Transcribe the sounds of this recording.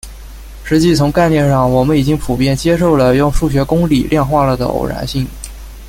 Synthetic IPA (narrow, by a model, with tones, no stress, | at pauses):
ʂɻ̩˧˥t͡ɕi˥˩t͡sʰʊ˧˥ŋka˥˧ɪnjɛ˥˧nʂɑ˥˩ŋwɔ˨˩mə˦ni˨˩t͡ɕi˥ŋpʰu˨˩pjɛ˥˩nt͡ɕjɛ˥ʂo˥˩ʊlə˩jʊ˥˧ŋʂu˥˩ɕɥɛ˧˥kʊ˥ŋli˨˩lʔjɛ˥˧nxwa˥˩lə˩d̪ə̰˩o̰˨˩ʊɻa̰˧˥nɕi˥˩ŋ